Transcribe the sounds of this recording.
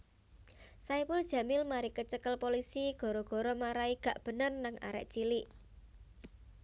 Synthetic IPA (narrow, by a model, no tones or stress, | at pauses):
saipʊld̥ʒ̥ä̤mɪlmaɾikət͡ʃəkəlpolisiɡ̥ɔ̤ɾɔɡ̥ɔ̤ɾɔmaɾaiɡ̥ä̤ʔb̥ə̤nərnaŋa̰ɾɛ̰ʔt͡ʃiliʔ